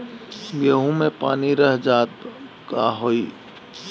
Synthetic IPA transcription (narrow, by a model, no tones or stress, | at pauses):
bjəɦũmẽpa̰ːniɾəɦd͡ʒaːt̪ | kaɦoi